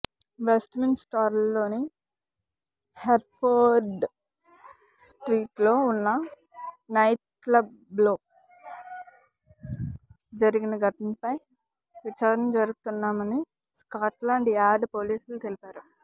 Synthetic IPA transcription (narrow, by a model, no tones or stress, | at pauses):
ʋesʈmensʈaːɾlːo̞ːni | heʈpoːɾɖ | sʈɾiːʈlo̞ːunːɐ | nɐjʈ̚ | klɐb | lo̞ː | d͡ʒɐɾiɡinɐɡɐʈɐmpɐj | ʋit͡ʃaːɾɐnɐmd͡ʒɐɾuɡut̪unːaːmɐni | skaːʈlaːɳɖaːɾɖpoːliːsult̪elipaːɾu